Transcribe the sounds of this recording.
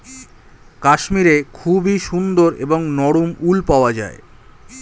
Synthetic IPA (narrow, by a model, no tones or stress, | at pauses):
kaʃmiɾekʰubiʃund̪oɾḛboŋnɔɽumulpaoad͡ʑa̰e